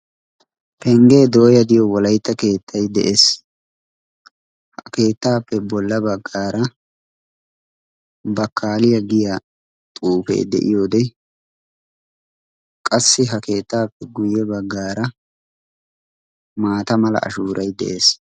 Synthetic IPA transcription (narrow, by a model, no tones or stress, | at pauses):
pɛŋɡe̞ːd̪oːjɐd̪ɪjɔwɔlɐjt̪ːɐke̞ːt̪ʰːɐjd̪ɛʔeːs | hɐke̞ːt̪ːaːpːɛbɔlːɐbɐɡːaːɾɐ | bɐkʰːaːlɪjɐɡɪja | t̪ʼuːfḛːd̪ɛ̰ʔɪ̰joːd̪ɛ | kʼɐsːɪɦɐke̞ːt̪ːaːpːɛɡʊjːɛbɐɡːaːɾɐ | maːt̪ɐmɐlɐ̰ɐ̰ʃuːɾʔɐjd̪ɛ̰ʔe̞ːs